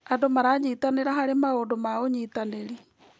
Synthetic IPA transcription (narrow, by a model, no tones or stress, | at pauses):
adomaɾaːɲitaneɾaɦaɾemaodomaoɲit̪aneɾi